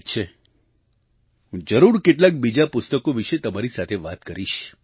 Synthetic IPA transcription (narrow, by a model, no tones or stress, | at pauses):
t͡ʃʰe | ɦũd͡ʒəɾuɾkeʈlak̚bid͡ʒapʊst̪əkoʋiʃet̪əmaɾisat̪ʰeʋat̪kəɾiʃ